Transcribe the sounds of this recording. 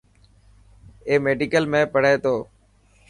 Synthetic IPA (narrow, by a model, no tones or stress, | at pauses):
eːmeːɖiːkəlmẽːpəɽeːt̪oː